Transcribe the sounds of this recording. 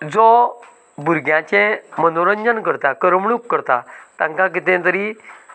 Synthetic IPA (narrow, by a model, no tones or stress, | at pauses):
d͡zɔ | bʱuɾɡjãt͡ɕɛ̃mənoɾəɲd͡ʑənkəɾt̪akəɾəmɭukːəɾt̪at̪ãŋkãkit̪ɛ̃t̪əɾi